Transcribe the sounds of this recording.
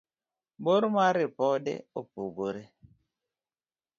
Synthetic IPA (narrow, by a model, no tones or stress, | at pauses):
boɾmaɾɪpɔdɛ̰opuɡoɾe